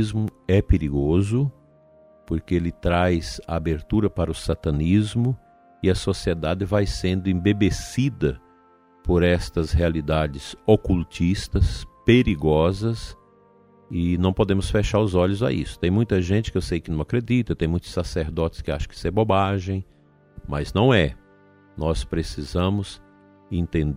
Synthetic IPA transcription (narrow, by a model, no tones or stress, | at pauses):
zmʊɛpeɾiɡozʊ | poɾkeelɪt̪ɾajza̰abeɾt̪uɾɐpaɾɐʊsat̪ɐ̃nizmʊ | ɪɐsosied̪ad̪ɪvajsẽnd̪ʊẽbebesid̪ɐ | poɾɛst̪ɐshealid̪ad͡ʒɪsokult͡ʃist̪ɐspeɾiɡɔzɐs | ɪnɐ̃w̃pod̪ẽmʊsfeʃaɾʊzɔʎʊza̰ḭsʊ̥t̪ẽj̃mũj̃t̪ɐʒẽnt͡ʃɪ̥kɪewsejkɪnɐ̃w̃akɾed̪it̪ɐt̪ẽj̃mũj̃t̪ʊ̥saseɾd̪ɔt̪ɪ̥skɪa̰ʃɐ̃kɪ̥sɛɾbobaʒẽj̃ | mɐznɐ̃w̃ɛ | nɔspɾesizɐ̃mʊs | ẽnt̪ẽn